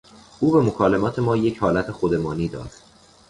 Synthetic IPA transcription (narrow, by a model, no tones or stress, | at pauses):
ʔuːbe̞mo̞kʰɒːle̞mɒːt̪ʰe̞mɒːje̞chɒːlæt̪ʰe̞xod̪e̞mɒːniːd̪ɒ̰ːd̪̥